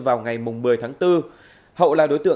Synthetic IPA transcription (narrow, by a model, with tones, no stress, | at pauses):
vaː˨˩wŋa˨˩jmʊ˨˩ŋ͡mmɨ˨˩əjt̪ʰaː˨˦ŋt̪ɨ˧ | hə̰˧˨wlaː˨˩ɗo˨˦jt̪ɨ̰˧˨ə